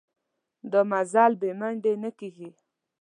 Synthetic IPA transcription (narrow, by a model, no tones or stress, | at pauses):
d̪əmazɑlbemaɳɖenəkiɡi